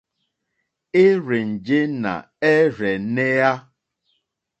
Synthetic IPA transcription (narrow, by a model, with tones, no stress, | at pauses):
ɪ˦ɾe˨n̩˨d͡ʒe˦na̰˨ | e˦ɾe˨ne˦a˦